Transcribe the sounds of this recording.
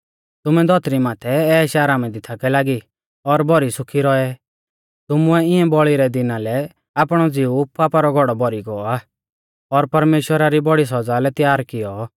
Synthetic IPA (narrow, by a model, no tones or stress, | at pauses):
t̪ʊmɛd̪ʱɔt̪ɾimaːt̪ʰɛɛːʃaːɾamɛ̃d̪ɪt̪ʰakɛlaːɡi | ɔɾbɔɾisʊkʰiɾɔɛ | t̪ʊmʊɛɪɛ̃bɔɭiɾɛd̪ɪnalɛ | aːpɽ̃ɔd͡zɪupaːpaɾɔɡʱɔɽɔbɔɾiɡɔɔaː | ɔɾpɐɾmeːʃwəɾaɾibɔɽis̬ɐd͡zalɛt̪jaːɾkɪjɔ